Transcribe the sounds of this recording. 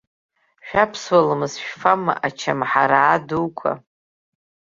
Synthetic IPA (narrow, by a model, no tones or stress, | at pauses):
ʃᶣapʰswalamɨzʃᶣfama̰ʔat͡ʃʰamħaɾaːduwkʷʰa̰